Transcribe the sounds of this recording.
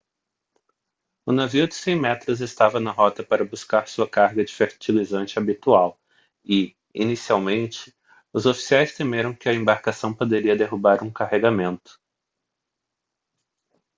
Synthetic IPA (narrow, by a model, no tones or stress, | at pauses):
ʊnaviʊd͡ʒɪsẽj̃mɛt̪ɾʊzest̪avɐnɐɦɔt̪ɐpaɾɐbuskaɾsuɐkaɾɡɐd͡ʒɪfeɾt͡ʃilizɐ̃nt͡ʃɪabit̪uaw | ɪ | ḭnisiawmẽnt͡ʃɪ̥ | ʊzofi̥siajst̪emeɾɐ̃w̃kɪɐẽmbaɾkasɐ̃w̃pod̪eɾiɐd̪eɦubaɾũkaheɡamẽnt̪ʊ̥